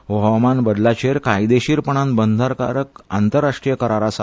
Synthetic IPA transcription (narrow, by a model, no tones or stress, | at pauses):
ʋəəmanbəd̪lat͡ɕeɾkajd̪eɕiːɾpəɳ̃ãnbənd̪ʱaɾka̰ɾəka̰nt̪əɾːaʂʈɾijəkəɾaɾasa